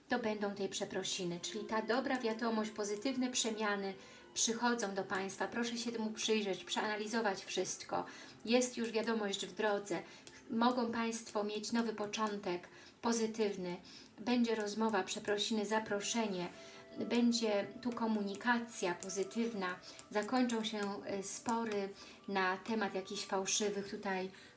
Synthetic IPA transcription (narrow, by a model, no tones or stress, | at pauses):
t̪ɔbɛnd̪ɔ̃w̃t̪ɛjpʂɛpɾɔɕinɘt͡ʂɘlʲit̪ad̪ɔbɾavʲjad̪ɔmɔɕt͡ɕpɔzɘt̪ɘvnɛpʂɛmʲjanɘ | pʂɘxɔd̪zɔ̃w̃d̪ɔpaj̃st̪fapɾɔʂɛɕɛtmupʂɘjʐɛt͡ɕpʂɛanalʲizɔvat͡ɕfʂɘst̪kɔ̰ | jɛst̪juʐvʲjad̪ɔmɔʑd͡ʑvd̪ɾɔd̪zɛ | mɔɡɔ̃w̃paj̃st̪fɔmʲjet͡ɕnɔvɘpɔt͡ʂɔnt̪ɛk | pɔzɘt̪ɘvnɘ | bɛɲd͡ʑɛɾɔzmɔvapʂɛpɾɔɕimɘzapɾɔʂɛɲɛ | bɛɲd͡ʑɛt̪ukɔmuɲikat̪sʲjapɔzɘt̪ɘvnazakɔɲt͡ʂɔ̃w̃ɕɛspɔɾɘ | nat̪ɛmat̪jakʲiɕfawʂɘvɘxt̪ut̪aj